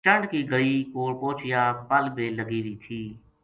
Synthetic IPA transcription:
t͡ʃəɳɖkiːɡəɽiːkoːɽpoːt͡ʃɪjaːpəlbeːləɡiːɾiːt̪ʰiː

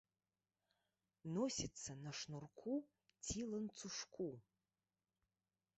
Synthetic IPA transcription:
nosʲit͡sʰːɐnɐʂnurkʷʰu | tʰilɐnt͡sʰuʂkʰʷu

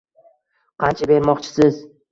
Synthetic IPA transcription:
qʰɑnt͡ʃʰabe̞ɾmɒqt͡ʃʰɪ̥sɪz

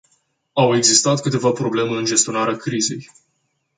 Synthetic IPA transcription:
awe̞ɡzist̪at̪kɨt̪e̞vapɾo̞ble̞meɨnd͡ʒe̞st̪io̞naɾeakɾize̞̰j

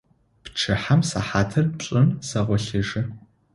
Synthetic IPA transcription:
pʈ͡ʂʰɨħamsaħaːtʰɐrɕʼɪnsɐʁʷɔɬɪʒɪ

